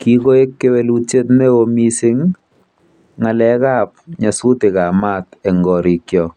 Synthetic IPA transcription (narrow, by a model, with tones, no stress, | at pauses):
ki˦ko˦e˦kːe˦we˨lu˦t͡ʃe˦tme˦o˨mi˦si˦ŋ | a˨lɛ˦ka˦p̚ɲa˨su˦te˨ka˨ma˦tɛ˨ŋɡɔ˨ɾi˨kjɔ˨